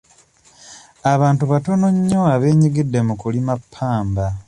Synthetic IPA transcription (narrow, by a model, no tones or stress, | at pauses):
aβaːntuβato̞no̞ɲːo̞aβe̞ːɲiɡidːemukulimapʰːaːmba